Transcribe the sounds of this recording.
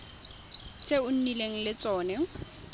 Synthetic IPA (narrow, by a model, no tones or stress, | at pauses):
t͡sʰʼeʊn̩nileŋ̩lɪt͡sʼɔːnɛ